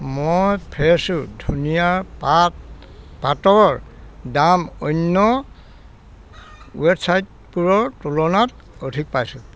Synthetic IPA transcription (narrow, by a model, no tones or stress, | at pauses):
mojpʰɛsʊdʱunijaɹp | patɔɹdamɔnːɔ | websajt̚ | puɹɔɹtulɔnat | odʱik̚pajsʊ